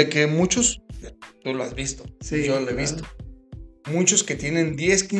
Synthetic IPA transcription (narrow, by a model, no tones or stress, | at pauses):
ekemut͡ʃost̪uloazβist̪osijoloeβist̪o̥ | mut͡ʃoske̞t̪je̞nẽ̞nd̪je̞ski